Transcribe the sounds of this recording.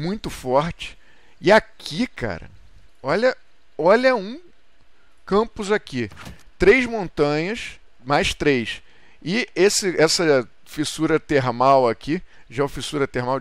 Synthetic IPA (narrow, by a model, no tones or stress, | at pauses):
mũj̃t̪ʊfɔɾt͡ʃɪ̥ | ɪakʰikʰa̰ɾɐ̰ | ɔʎɐ | ɔʎɐũ | kɐ̃mpʊzaki | t̪ɾejzmõnt̪ɐ̃ɲɐs | majʃt̪ɾejs | ɪesɪɛsɐ | fisuɾɐt̪eɾmawakʰiʒaɛfisuɾɐt̪eɾmaw